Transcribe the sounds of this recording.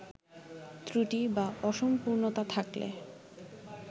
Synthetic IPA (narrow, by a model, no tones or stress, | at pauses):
t̪ɾiʈibaɔʃompuɾnot̪at̪ʰaklḛ